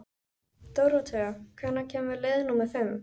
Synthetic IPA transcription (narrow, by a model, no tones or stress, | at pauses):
t̪owɾot̪ʰeakʰɛnːacʰɛːmvɪɾleːðnumɛɾ̥fɪm